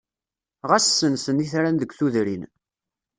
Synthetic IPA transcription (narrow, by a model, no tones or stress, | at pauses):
ʁæsːənsəniθɾænðəɡʷθuðɾin